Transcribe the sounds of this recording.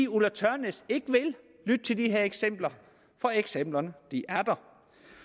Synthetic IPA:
iulæt͡sʰœɐnese̝ɡ̥əʋe̝l | lyd̥̚t͡sʰe̝ld̥iɦe̝ɐ̰eɡ̥sem̰b̥lɐ | fɒ̽eɡ̥sem̰b̥lɐnəd̥iʔæɐd̥ɐ

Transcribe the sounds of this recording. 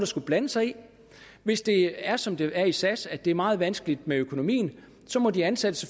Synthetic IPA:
d̥ɑ̈sɡ̥ub̥lænəsɑ̈ɪi | ʋe̝sd̥e̝æɐsɒ̽md̥e̝æɐisæsæd̥e̝æɐmɑ̈ːð̞̩ˠʋænsɡ̥əlid̥meøkʰo̝no̝mḭːn̩ | sɒ̽mɒ̽diænsæd̥əse

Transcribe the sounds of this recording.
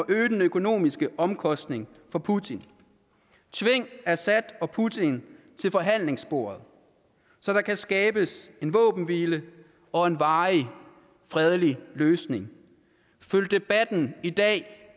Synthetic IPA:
ɒʔøːd̥n̩økʰo̝no̝̰ːmisɡ̥əʔɒ̽mkʰɒ̽sd̥ne̝ŋ | fɒ̽pʰut͡sʰin | t͡sʰʋe̝ŋ̰æɐsæd̥ɒ̽pʰut͡sʰin | t͡sʰe̝lfɒ̽ɦæn̰le̝ŋsb̥o̝ːɐð̞̩ˠ | sɒ̽ɾ̥ɑ̈kʰæsɡ̥ɛːb̥əse̝nʋɔ̰̽ːb̥n̩ʋiːlə | ɒ̽e̝nʋɑ̈ːi | fʁɛð̞ˠliløːsne̝ŋ | føl̥eb̥æd̥n̩id̥ɛ̰ː

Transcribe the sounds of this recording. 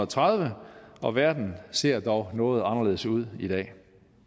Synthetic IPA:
t͡sʰʁaðˠʋəɒ̽ʋæɐd̥n̩se̝̰ɐ̰d̥ɒʊnɔ̽ːð̞̩ˠɑ̈nɐle̝ːðˠsuð̞̰ˠid̥ɛ̰ː

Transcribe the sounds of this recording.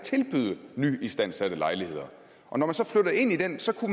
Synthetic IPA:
t͡sʰe̝lb̥yðˠəny̰ːisd̥æn̰sæd̥əlɑ̈ɪlihe̝ð̞̰ˠɐ | ʔɒ̽nɒmænsɒ̽fløɾ̥ɐe̝n̰id̥ensɒ̽kʰum

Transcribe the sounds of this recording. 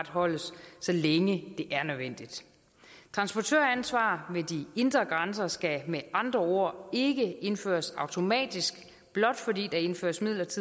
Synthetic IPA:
d̥ɦɒ̽l̰əsːɒ̽leŋəd̥e̝ʔæɐnøðˠʋen̰d̥id̥ | t͡sʰʁɑ̈nsb̥ɒt͡sʰø̰ːɐænsʋɑ̰̈ːʋe̝d̥ie̝nd̥ʁɐɡ̥ʁɑnsɐsɡ̥æmeʔɑ̈nd̥ʁɐo̝ɐ̰e̝ɡ̥əe̝nfø̰ːɐsɑ̈ʊt͡sʰo̝mɛ̰ːd̥isɡ̥ | b̥lɒ̽d̥fɒ̽dḭːd̥ɑ̈e̝nfø̰ːɐsmið̰ˠlɐt͡sʰiðˠ

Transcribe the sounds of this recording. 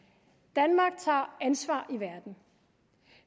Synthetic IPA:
d̥ænmɑ̈ːɡ̥̚t͡sʰɑ̰̈ːænsʋɑ̰̈ːiʋæɐd̥n̩

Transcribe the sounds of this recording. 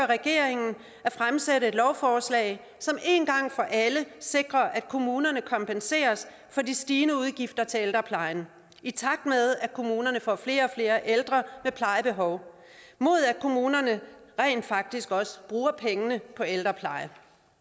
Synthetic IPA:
ʁɛɡ̥e̝̰ɐ̰e̝ŋn̩ | æfʁamseɾəe̝d̥lɒʊfɒːslɛ̰ːɪ | sɒ̽me̝ːnɡ̥ɑ̈ŋ̰fɒ̽ʔæləse̝ɡ̥ʁɐʔæd̥̚kʰo̝muːnɐnəkʰɒ̽mpʰense̝̰ːɐs | fɒ̽disd̥iːnəuð̞ˠɡ̥ifd̥ɐt͡sʰe̝eld̥ʁɐpʰlɑ̈ɪn | it͡sʰɑ̈ɡ̥̚d̥með̞ˠækʰo̝muːnɐnəfɒ̰fle̝ːɐɒ̽fle̝ːɐʔeld̥ʁɐmepʰlɑ̈ɪəb̥e̝ɦɒʊ | mo̝ð̞̰ˠækʰo̝muːnɐnəʁɛ̰ɪ̰nd̥fɑ̈ɡ̥̚d̥isɡ̥ɒ̽sə̥b̥ʁuːɐpʰeŋənəpʰɒ̽eld̥ʁɐpʰlɑ̈ɪə

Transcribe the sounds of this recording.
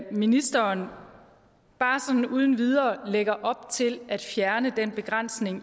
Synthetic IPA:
minisd̥ɐːn | b̥ɑ̈ːsɒ̽dn̩uːð̞ˠn̩ʋið̞ˠɐːleɡ̥ɐʔɒ̽b̥̚t͡sʰe̝læd̥fjæɐnəd̥enb̥e̝ɡ̥ʁɑn̰sne̝ŋ

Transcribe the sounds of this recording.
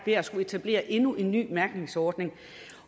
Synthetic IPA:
ʋe̝ɐsɡ̥ue̝t͡sʰæb̥le̝̰ːɐʔe̝nuʔe̝nːy̰ːmæɐɡ̥ne̝ŋsɒːd̥ne̝ŋ

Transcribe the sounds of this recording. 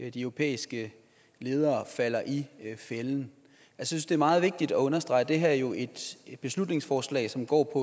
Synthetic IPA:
d̥iœʊʁo̝pʰḛːisɡ̥ə | le̝ːð̞ˠɐːfæl̰ɐʔifeln̩ | ælsjsynsd̥e̝ɐmɑ̈ːð̞̩ˠʋe̝ɡ̥̚d̥id̥ɒɔ̽nɐsd̥ʁɑ̈ɪd̥e̝ɦæɐjo̝ʔe̝d̥b̥e̝slud̥ne̝ŋsfɒːslɛ̰ːɪsɒ̽mɡ̥ɒ̰ːpʰɒ̽

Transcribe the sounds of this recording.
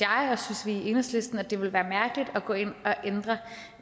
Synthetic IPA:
jɑ̈ɪɒ̽synsʋiːʔe̝nɐsle̝sd̥n̩æd̥e̝ʋe̝lʋæːɐmæɐɡ̥əlid̥ɒ̽ɡ̥ɔ̽e̝n̰ɒ̽ʔend̥ʁɐ

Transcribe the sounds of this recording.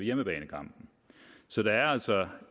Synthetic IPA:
ejeməb̥ɛːnəkʰɑ̈m̰b̥n̩ | sɒ̽d̥ɑ̈æɐæl̰sɒ

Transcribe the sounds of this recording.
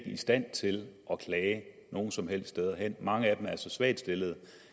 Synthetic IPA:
ɡ̥əisd̥æn̰t͡sʰe̝lʔɒ̽kʰlɛːɪ | no̝ːn̩sɒ̽mɦel̰sd̥st͡sd̥eð̞ˠɐɦen̰mɑ̈ŋəæd̥emæɐsɒ̽sʋæ̰ːd̥sd̥e̝lð̩ˠ

